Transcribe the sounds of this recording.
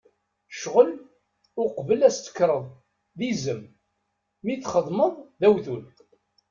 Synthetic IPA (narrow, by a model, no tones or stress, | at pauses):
ʃʁəl | ʊqvəlæst̪ə̥kːɾˤəðˤ | ðizəmː | iθχəðˤməðˤðæwθul